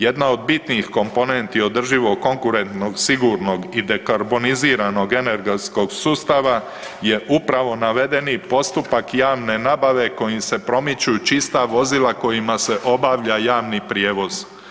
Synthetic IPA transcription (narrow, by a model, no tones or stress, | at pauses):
je̞d̪nao̞d̪̚bit̪niixko̞mpo̞nent̪io̞d̪r̩ʒiʋo̞ɡkːo̞ŋkuɾe̞nt̪no̞ɡsiɡuɾno̞ɡid̪e̞kaɾbo̞niziːɾano̞ɡe̞ne̞ɾɡesko̞ɡsuːst̪aʋa | je̞ʔupɾaʋo̞naʋe̞d̪e̞nipo̞st̪upakjaːʋne̞nabaʋe̞ko̞jimse̞pɾo̞mit͡ɕut͡ʃist̪aʋo̞zilako̞jimase̞ʔo̞baʋʎajaːʋnipɾje̞ːʋo̞z